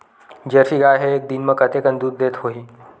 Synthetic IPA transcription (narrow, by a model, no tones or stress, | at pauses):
d͡ʒɐɾfiɡaːɦeeːk̚d̪inmẽkɐt̪ekə̃nd̪uːt̪d̪eːt̪ɦoːiː